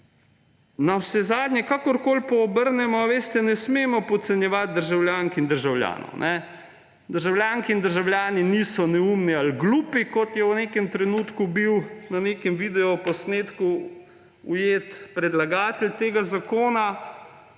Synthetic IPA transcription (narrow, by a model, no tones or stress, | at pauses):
nawsɛzaːd̪nʲɲɛkakɔɾkoːlpɔːbəɾnɛmɔʋeːst̪ɛnɛsmeːmɔpɔt̪sɛnjɛʋat̪̚d̪əɾʒawljaːŋkind̪əɾʒawlʲja̰ːnɔ̰wnʔɛ | d̪əɾʒawljaːŋkiːnd̪əɾʒawljaːniniːsɔnɛuːmnialɡluːpikɔt̪jɛwneːkɛmt̪ɾɛnuːt̪kubiwnaneːkɛmʋid̪ɛɔpɔsneːt̪ku | ujeːt̪pɾɛd̪laɡaːt̪ɛlʲt̪eːɡazakoːna